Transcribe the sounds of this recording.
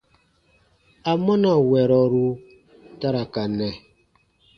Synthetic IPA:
a˨mɔ˦na˨wɛ˨ɾɔ˨ɾu˦ | ta˦ɾa˨ka˨nɛ˨

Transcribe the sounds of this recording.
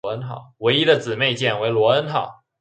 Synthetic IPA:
ə˥nxɑ̰˨˩ʊwe˧˥ɪi˥d̪ə˨t͡sɹ̩˨˩me˥˧ɪt͡ɕjɛ˥˩nwe˧˥ɪlwɔ˧˥ə˥nxɑ˨˩˦ʊ

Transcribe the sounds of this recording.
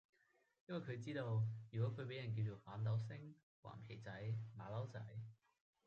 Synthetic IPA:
jɐ˥nwɐ˨˩jkʰɵ˨˧ɥt͡siː˥t̪o˧wjy˨kɔː˨˥kʰɵ˨˧ɥp̬e˨˥jɐ˨˩nk̬i˧wt͡ʃo˨˧wfaː˨˥nt̪ɐ˨˧wsɪ˥ŋ | wa̰ː˨˩nkʰe˨˩jt͡sɐ˨˥jma̰ː˨˧lɐ˨˥wt͡sɐ̰˨˥j

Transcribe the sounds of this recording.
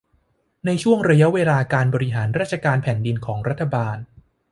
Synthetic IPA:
na˧jt͡ɕʰu˥˩əŋɾa˧ja˦˥weː˧laː˧kaː˧nbɔː˧ɾi˦˥ɦaː˩˦nɾaː˥˩t̪̚t͡ɕʰa˧kaː˧npʰɛː˨˩˦ndi˧nkʰɔː˩˦ŋɾa˦˥t̪ʰːa˧baː˧n

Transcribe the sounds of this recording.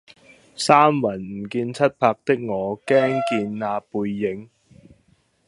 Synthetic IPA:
saː˥mwɐ˨˩nm̩˨˩kiː˧nt͡sʰɐ˥t̚pʰaː˧k̚t̪ɪ˥k̚ŋɔː˨˧kɛː˥ŋkiː˧nːaː˧puː˧jːɪ˨˥ŋ

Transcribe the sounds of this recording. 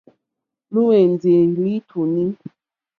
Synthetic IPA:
lu˦we˨n˨d͡ze˨li˦tʰu˨ni˦

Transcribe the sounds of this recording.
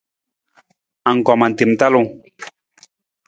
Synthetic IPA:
a˨ŋ̩˨kɔ˨ma˨n˨te˨m˦ta˦lo˦ŋ

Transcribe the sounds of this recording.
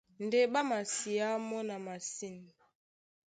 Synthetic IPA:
n˨de˦ba˦ma˨si˨a˦mɔ˦na˨ma˨si˦n˨

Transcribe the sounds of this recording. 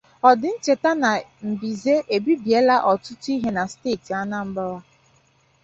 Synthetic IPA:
ɔ˨dɪ˨n̩˦t͡ʃe˨ta˦na˨m̩˨bi˨ze˦ʔe˨bi˦bi˨e˦la˦ʔɔ˨tʊ˦tu˦i˦ɦe˦na˨steː˦˨ti˨a˦na˦m̩˦ba˦wa˦

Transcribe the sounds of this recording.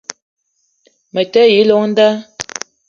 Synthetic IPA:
mə˨tə˦ji˨˦lɔ˦ŋn̩˦da˦

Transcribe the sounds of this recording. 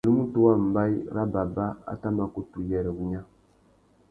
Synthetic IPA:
nu˦mu˦tu˦wa˦m̩˨ba˦jɾa˦ba˨ba˦a̰˦ta˦ma˦ku˦tu˨jɛ˨ɾɛ˨ɡu˨ɲa˦

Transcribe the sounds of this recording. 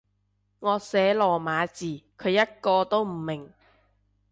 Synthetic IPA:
ŋɔː˨˧sɛː˨˥lɔː˨˩maː˨˧t͡siː˨˩kʰɵ˨˧ɥjɐ˥t̚kɔː˧t̪o˥wm̩˨˩mɪ˨˩ŋ

